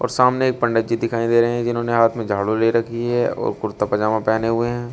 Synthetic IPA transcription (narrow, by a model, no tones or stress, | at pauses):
ɔ̰ːɾsaːmneeːk̚pɐ̃ɳɖəd͡ʒid̪ɪkʰaːĩd̪eːɾɐɦĩɦɛ̃d͡ʒɪnɦõːneɦaːt̪ʰmẽd͡ʒʱaːɽoleːɾɐkʰiɦɛɔ̰ːɾkʊɾt̪apɐd͡ʒaːmãpɛːneɦʊeɦɛ̃ː